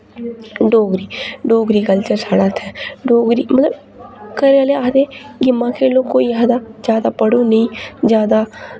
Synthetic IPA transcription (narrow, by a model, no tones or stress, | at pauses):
ɖoːɡɾiːɖoːɡɾiːkəlt͡ʃəɾsaːɽaːt̪ʰɛːɖoːɡɾiːmət̪ləb | kəɾeːaːleːaːd̪eːɡɪmãːkʰeːloːkoːiːaːd̪aːd͡ʒjaːd̪aːpəɽõːnəĩːd͡ʒjaːd̪aː